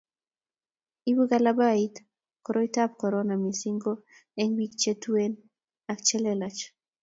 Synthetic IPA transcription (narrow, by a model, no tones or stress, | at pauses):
iβɨɣalabait̪ | koɾojt̪ap̚koɾonamisiŋɡo | eŋbikt͡ʃet̪uen | akt͡ʃelelat͡ʃ